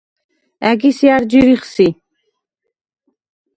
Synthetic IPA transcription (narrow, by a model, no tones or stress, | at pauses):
æɡisjaɾd͡ʒiɾiχsi